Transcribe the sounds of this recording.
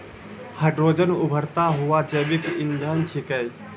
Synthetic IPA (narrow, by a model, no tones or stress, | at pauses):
həɖɾoːd͡ʒənubʱəɾt̪aɦuʋad͡ʒəbikɪnd̪ʱənt͡ʃʰikəj